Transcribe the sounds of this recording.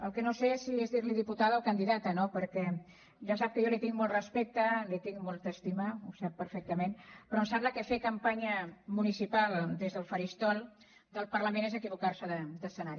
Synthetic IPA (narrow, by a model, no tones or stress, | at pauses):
əlˠkənosesiezðiɾliðiput̪aðəlˠkənd̪iðat̪ənopəɾkɛ | ʒas̬ap̚kəjolit̪iŋmɔlˠt̪rəspɛk̚t̪əlit̪iŋmɔlˠt̪əːst̪imausapːəɾfɛk̚t̪əmenpɾɔmsabləkəfekəmpaɲəmunisipalˠd̪ezðəlˠfəɾist̪ɔlˠ | d̪əlˠpəɾləmenezəkiβukaɾsəðəd̪əsənaɾi